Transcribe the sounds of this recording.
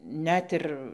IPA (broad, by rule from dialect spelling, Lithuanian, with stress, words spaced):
ˈnʲɛt ɪr